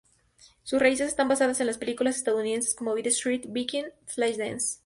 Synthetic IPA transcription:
susrais̬e̞s̬e̞st̪ambasaðase̞nlaspe̞likulasest̪aðouniðe̞nse̞sko̞moβiðest̪ɾit̪bikinflaʃd̪ens

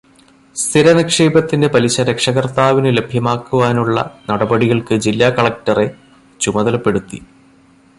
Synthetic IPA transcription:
st̪ʰiɾɐnɐkʂeːbɐt̪ːinde̞pɐliɕɐɾekʂɐɣɐrt̪aːʋinɨle̞bʱjɐmaːkːuʋaːnuɭːɐ̰nɐɽɐbɐɽiɣɐɭkɨd͡ʑilːaːkɐɭɐk̚tɐre̞ | t͡ɕumɐðɐlɐpːe̞ɽut̪ːi

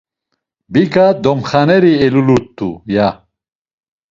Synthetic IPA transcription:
biɡad̪ɔmχanɛɾiɛlulut̪ːuja

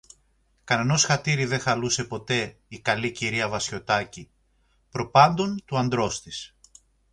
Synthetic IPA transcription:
kɐneno̞sxɐt̪iɾiðe̞xɐluse̞po̞t̪e̞ikɐliciɾiɐvɐsço̞t̪ɐci | pɾo̞pɐnd̪o̞nt̪uɐnd̪ɾo̞st̪is

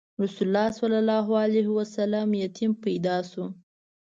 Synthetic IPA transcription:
ɾʊsʊlːɑswalalɑɦaliɦwasalamjat̪ʰimpajd̪ɑsu

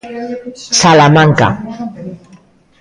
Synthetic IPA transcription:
salamaŋka̰

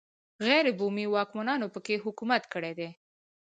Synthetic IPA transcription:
ɣɛjɾɪbumiwɑkmanɑnopəkeɦʊkumat̪kəɽed̪e

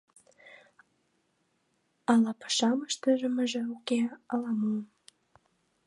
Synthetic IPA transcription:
ɑlɑpə̥ʃɑməʃt̪əʒəməʒĕukeɑlɑmun

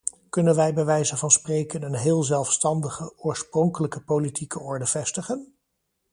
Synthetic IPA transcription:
kɵnənʋɛjbəʋɛjzənvɑnsprejkənənɦɪːlˠzɛlˠfstɑndəχəʊːɹsprɔŋkələkəpolitʰikəɔɹdəv̥ɛstəχən

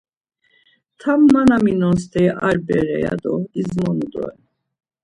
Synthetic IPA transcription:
t̪ʰamːanaminɔns̬t̪ʰɛʔaɾbɛɾɛjad̪ɔizmɔnud̪ɔ̰ɛ

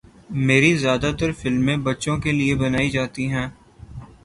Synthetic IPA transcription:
meːɾizjaːd̪at̪əɾfɪlmːẽbɐtːʃõkeliebɐnaːid͡ʒaːt̪iɦɛ̃ː

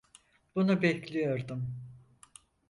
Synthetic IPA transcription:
b̥unubɛclʲijo̞ɾd̪um

